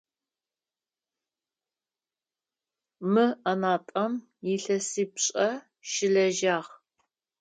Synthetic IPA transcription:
mɨɐnaːtʼɐm | jɪɬɐsiːpɕʼɐ | ʃɪɮɐʒaːʁ

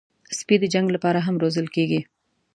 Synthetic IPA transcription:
spid̪əd͡ʒaŋɡlapɑɾaɦamɾozəlkeɡi

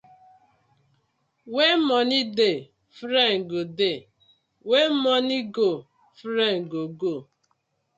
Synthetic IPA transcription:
wemɔnide | fɾeŋ̩ɡode | wemɔniɡo | fɾeŋ̩ɡoɡo

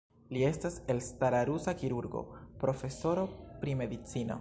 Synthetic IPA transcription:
lie̞stase̞lstaɾaɾusakiɾuɾɡo̞̰pɾo̞fe̞so̞ɾo̞pɾime̞d̪it͡sino̞̰

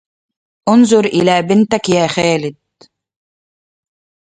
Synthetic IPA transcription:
ʔʊnzʊɾʔɪ̰laːbɪnt̪akjaːxæːlɪd̪̚

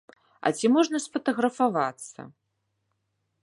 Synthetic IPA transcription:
ɐ̰t͡sʲimɔʐnɐsfɐt̪ɐɣɾɐfavat̪sːɐ̰

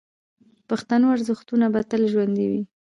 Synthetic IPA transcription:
paxt̪anoaɾzəxt̪unabat̪əlʒwand̪iwi

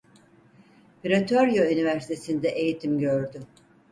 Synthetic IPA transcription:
piɾat̪ʰoɾjoynivæɾsi̥t̪ʰe̞sind̪ɛʔejit̪ʰimɟøɾd̪y

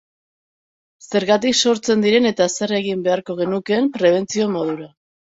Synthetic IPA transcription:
se̞ɾɣat̪ikso̞ɾt͡se̞nd̪iɾe̞ne̞t̪asereɣimbe̞aɾko̞ɣ̞e̞nuke̞mpɾe̞β̞e̞nt͡sio̞mo̞ðuɾa

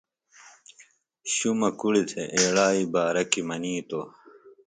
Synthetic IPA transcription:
ɕumɐkuɽit̪ʰeʔeːɽaːibaːɾɐkimɐniːt̪o

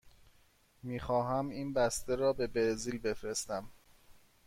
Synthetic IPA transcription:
miːxɒːɦæmiːnbæst̪eɾɒːbe̞beɾziːlbe̞fɾe̞st̪æm

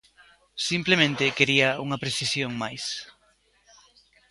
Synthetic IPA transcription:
simplemẽnt̪ɪkeɾiɐuŋɐpɾeθisjoŋmajs

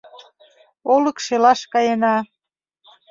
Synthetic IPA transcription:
olə̆kʃelɑʃkɑjenɑ

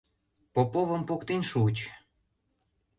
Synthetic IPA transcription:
popovəmpokt̪enʃut͡ɕ

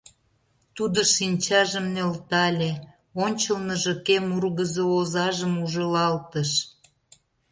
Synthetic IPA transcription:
t̪ud̪oʃinʲt͡ɕɑʒəmnelt̪ɑlʲe | onʲt͡ɕəlnəʒəkemurɣəzoozɑʒəmuʒəlɑlt̪əʃ

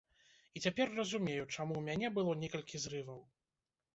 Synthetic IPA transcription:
it͡sʲapʲɛrːɐzumʲejut͡ʂamuwmʲanʲɛbɨlˠɔnʲɛkɐlʲkʲizɾɨvɐw

